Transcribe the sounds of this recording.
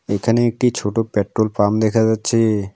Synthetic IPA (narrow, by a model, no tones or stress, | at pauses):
ekʰəneek̚ʈit͡ʃʰoʈopeʈɾolpamd̪ekʰad͡ʒət͡ʃʰe